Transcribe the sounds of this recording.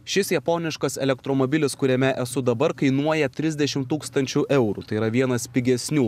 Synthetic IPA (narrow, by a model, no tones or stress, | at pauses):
ʃʲɪsjɐpoːnʲɪʃkɐsɛ̰lʲɛk̚t̪ɾoːmoːbʲɪlʲɪskʊɾʲɛmʲɛʔɛsʊd̪ɐbɐɾkɐɪnuɔjɛt̪ʲɾʲɪzʲd̪ʲɛʃʲɪmt̪uːkst̪ɐnʲt͡ʃʲuʔɛʊɾuːˑt̪ɐɪiɾɐʋʲiɛnɐspʲɪɡʲɛsʲnʲuː